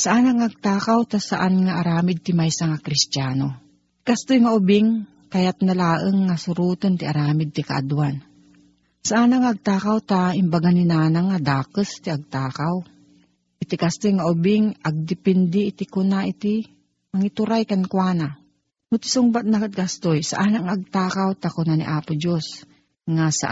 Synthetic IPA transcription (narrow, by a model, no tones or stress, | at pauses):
saʔanaŋaʔɐɡ̚t̪aːkawt̪asaʔanŋaʔaɾaːmɪd̪̚t̪ɪmajsaŋakɾɪst̪jaːno | kast̪ojŋaʔʊbɪŋ | kɐjat̪̚nɐlaːʔəŋːasʊɾuːt̪ont̪ɪʔaɾaːmɪd̪̚t̪ɪkaʔa̰d̪uwan | saʔanaŋaʔːɡ̚t̪aːkawt̪aɪmbaɡaninaːnaŋːad̪aːkəst̪iaɡ̚t̪aːkaw | ʔɪt̪ɪkast̪ojŋaʔʊbɪŋʔaɡ̚d̪ɪpɛnd̪ɪːt̪ɪkʊnaʔit̪ɪ | mɐŋɪt̪ʊɾajkankwaːna | nʊt̪ɪ̥sʊŋbat̪̚nakt̪̚kast̪ojsaʔaːnaŋʔaɡ̚t̪aːkawt̪akʊnanḭʔaːpʊd͡ʒos | ŋasa̰